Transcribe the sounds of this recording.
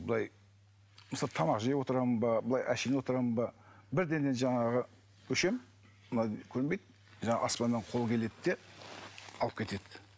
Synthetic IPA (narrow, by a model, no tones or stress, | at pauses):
bəlˠɑj | məsɑt̪ʰɑmɑqʒejewo̞t̪əɾɑmənbɑbəlˠɑjʔæʃenewot̪əɾɑmənbɑ | bɪɾd̪e̞nd̪e̞nʒɑɴɑʁə | wɵʃe̞m | mənɑkʲʰɵɾɪnbe̞jd̪̚ | ʒɑɴɑ̰ʔɑspɑnːeɴqʰo̞lˠkʲʰe̞le̞d̪d̪e̞ | ɑlˠəp̚kʲʰe̞t̪e̞d̪ɪ